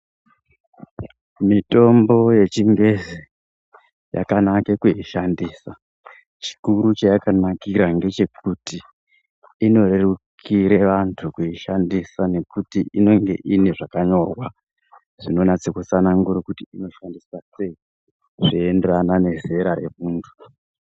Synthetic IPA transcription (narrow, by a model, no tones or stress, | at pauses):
mito̞mbo̞je̞t͡ʃiŋɡe̞ze | ja̰kanakekuiʃandiːsa | t͡ʃi̥kuɾut͡ʃajakanakiɾaŋɡe̞t͡ʃe̞kutiː | no̞rerukʰiɾeʋantʰukuiʃandisane̞kutiʔino̞ŋɡe̞̰ʔiniʐakaɲo̞rwa | ʐ̥ino̞nat͡sekut͡sanaŋɡuɾikutiino̞ʃandisase̞i | ʐienderanane̞ze̞ɾaɾe̞ruːntʰu̥